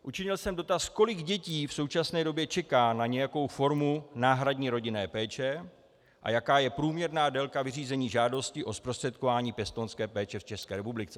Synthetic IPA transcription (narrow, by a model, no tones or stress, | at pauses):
ʔut͡ʃɪɲɪlsɛmdo̞t̪asko̞lɪɡɟɛciːfso̞wt͡ʃasnɛːdo̞bjɛt͡ʃɛkaːnaɲɛjako̞wfo̞ɾmunaːɦɾadɲiːɾo̞ɟɪnɛːpɛːt͡ʃɛ | ʔa̰jakaːjɛpɾuːmɲɛɾnaːdɛlkavɪriːzɛɲiːʒaːdo̞scɪʔo̞spɾost̪r̥ɛt̪̚ko̞vaːɲiːpjɛst̪onskɛːpɛːt͡ʃɛft͡ʃɛskɛːɾɛpublɪt͡sɛ